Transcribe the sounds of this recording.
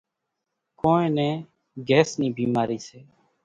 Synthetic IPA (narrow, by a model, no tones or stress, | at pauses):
koːẽːnɛ̃ː | ɡɛːsniːbʱiːmaːɾiːseː